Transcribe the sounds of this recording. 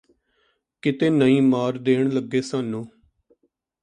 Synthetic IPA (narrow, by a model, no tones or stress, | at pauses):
kɪt̪eːnəĩːmaːɾd̪eːɳ̃ləɡːeːsaːnːũː